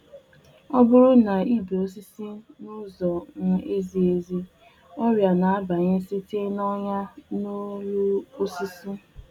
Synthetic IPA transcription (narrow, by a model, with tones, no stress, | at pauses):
ɔ˦bʊ˦ɾʊ˦na˨i˦be˨o˦si˦si˦nʊ˦zɔ˨ŋ̩˦e˦zi˦e˦zi˦ | ɔ˦ɾja˨na˨a˦ba˨ɲe˦si˦te˦nɔ˦ɲa˦no˦lu˦o˦si˦si˦